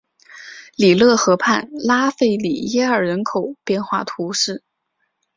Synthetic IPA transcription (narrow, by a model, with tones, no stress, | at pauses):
li˨˩lɤ˥˩xɤ˧˥pʰa˥˩nla˥fe˥˩ɪli˨˩jɛ˥ə˞˨˩ɻə˧˥nkʰo˨˩˦ʊpjɛ˥˧nxwa̰˥˩t̪ʰu˧˥ʂɻ̩˥˩